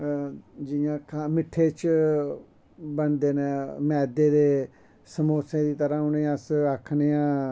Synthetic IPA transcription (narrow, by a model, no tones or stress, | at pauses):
d͡ʒɪãːkʰamɪʈʰːeːt͡ʃ | bənd̪eːneːmɛːd̪eːd̪eː | səmoːsẽːd̪iːt̪əɾãːʊnẽːəsakʰneːãː